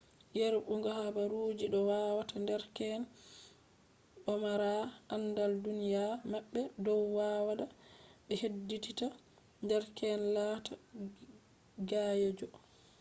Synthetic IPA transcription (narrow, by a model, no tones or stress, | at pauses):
jeɾɓuŋɡɔhabaɾud͡ʒiɗɔwawatandɛɾkɛn | ɓɔmaɾaʔanːdaldunijamaɓːɛdɔwːaːwaɗaɓɛhedːitita | ndɛɾkɛnlata | ɡaːjed͡ʒɔ